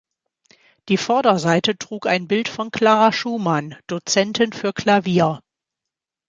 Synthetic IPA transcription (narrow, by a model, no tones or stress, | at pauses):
d̥iːfɔɐdɐzaɪtətʁ̥uːkaɪnbɪltfɔnkl̥aːʁaʃuːmand̥ot͡sɛntʰɪnfyːɐkʰl̥aviːɐ